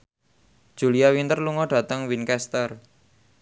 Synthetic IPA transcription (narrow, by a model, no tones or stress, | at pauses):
d̥ʒ̥ṳliawint̪ərluŋɔɖ̥ä̤t̪əŋwinkɛst̪ər